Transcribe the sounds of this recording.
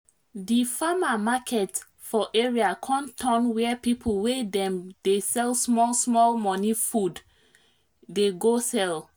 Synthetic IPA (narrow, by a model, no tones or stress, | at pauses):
difamamakʰɛt | fɔʔeɹiakʰɔ̃ntʰɔ̃nwɛpipʰolˠwedɛ̃md̥esɛlˠsmɔlsmɔlmɔnifud | deɡosɛl